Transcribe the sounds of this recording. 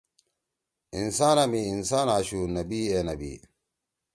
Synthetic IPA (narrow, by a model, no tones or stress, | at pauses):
insaːnɐmiːnsaːnaːɕuːnɐbiːeːnɐbḭː